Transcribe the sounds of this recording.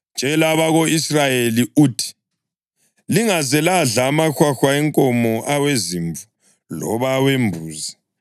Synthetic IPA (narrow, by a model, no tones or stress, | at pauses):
nd͡ʒʱɛlaβaɣoisrajeliuːtʰi̥ | liŋazɛlaɮaːmaxwaxwaɛŋkʼɔmɔʔaweziɱvu | lɔ̰βawembʱuːza